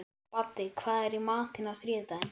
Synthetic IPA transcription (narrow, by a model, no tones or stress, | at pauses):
pat̪ːɪkʰvaːðɛɾimaːt̪ɪnawθɾɪːt̪aɪn